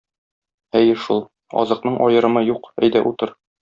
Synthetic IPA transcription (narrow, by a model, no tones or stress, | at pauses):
æjɘʃulˠ | ɒ̰zɤ̆qnɤɴʔɒjɤ̆ɾɤ̆mɤjuqæ̰jd̪æʔut̪ɤɾ